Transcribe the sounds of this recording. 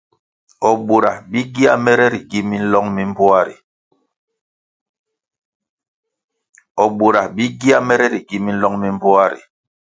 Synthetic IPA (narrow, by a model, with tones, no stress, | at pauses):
ɔ˨ɓu˨ɾa˨bi˦ɡi˦a˦mɛ˦ɾɛ˦ɾi˨ɡi˦mi˦n̩˦lɔ˦ŋmi˦m̩˦bo˦a˦ɾḭ˨ | ɔ˨ɓu˨ɾa˨bi˦ɡi˦a˦mɛ˦ɾɛ˦ɾi˨ɡi˨˦mi˦n̩˦lɔ˦ŋmi˦m̩˦bo˦a˦ɾḭ˨